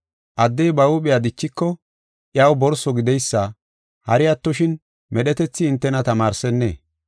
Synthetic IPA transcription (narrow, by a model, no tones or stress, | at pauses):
ʔɐd̪ːɛjbɐwʊɓɪjad̪ɪt͡ʃːɪkːɔ | ʔjɐwbɔɾsɔɡɪd̪ɛjsːɐ | hɐɾɪjɐt̪ːɔʃɪn | mɛɗɛt̪ɛt͡sːɪːnt̪ːɛnɐt̪ɐmaːɾsɛnːḛː